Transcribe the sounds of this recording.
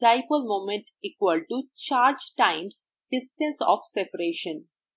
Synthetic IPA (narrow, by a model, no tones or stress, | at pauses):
ʈaɪpəlmõːmẽɳʈ | iːkwəlʈut͡ʃaːɾd͡ʒʈãɪ̃ms | ɖ̥ɪsʈə̃nsɔ̰ːfsepəɾeːʃə̃n